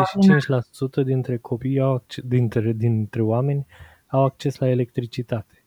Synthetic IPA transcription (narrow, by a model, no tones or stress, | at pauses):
zeʃit͡ʃint͡ʃʲlasut̪əd̪int̪ɾe̞kʰo̞pijaw̪ind̪int̪ɾe̞oame̞nʲ | awak̚t͡ʃe̞slae̞le̞kt̪ɾit͡ʃit̪at̪e̥